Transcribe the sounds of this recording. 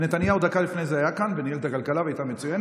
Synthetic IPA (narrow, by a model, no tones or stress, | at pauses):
net̪anjaud̪akalifnejzeajakanvenijelet̪akalkalavajt̪ame̞t͡sujen